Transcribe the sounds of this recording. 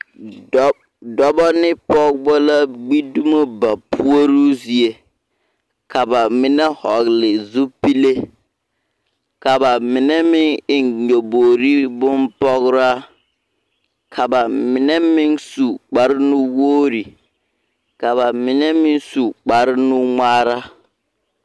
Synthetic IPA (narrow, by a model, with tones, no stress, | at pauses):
dɔ˦bɔ˦nɪ˦pɔ˦ɡbɔ˦la˦ɡ͡bi˦du˦mo˦ba˨pʰu˦o˦ɾu˦zi˨e˦ | ka˨ba˨mɪ˦nɛ˦hɔ˨ɣlɪ˨zu˦pi˦le˦ | ka˨ba˨mɪ˨nɛ˦mɪ˦ŋɪ˨nɲo˨boː˨ɾi˦bʊ˦npɔ˦ɣɾa˦ | kʰa˨ba˨mɪ˨nɛ˦mɪ˦nsu˨k͡pa˨ɾɪ˦nʊ˦woː˦ɾi˨ | ka˨βa˨mɪ˨nɛ˦mɪ˦nsu˨k͡pa˨ɾɪ˦nʊ˦ŋaː˦ɾa˦